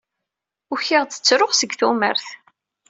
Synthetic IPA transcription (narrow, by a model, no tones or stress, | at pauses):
ʊçɪʁt͡sə̥t͡sːɾoχsəɡθumə̰ɾθ